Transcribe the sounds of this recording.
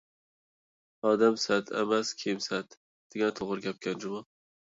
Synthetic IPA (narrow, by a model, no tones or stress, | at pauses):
ɒd̪amsat̪ʰḛmaskʲʰemsat̪ | d̪̥eɡʲant̪ʰoʁɨɾɡʲap̚kʲand͡ʒʊma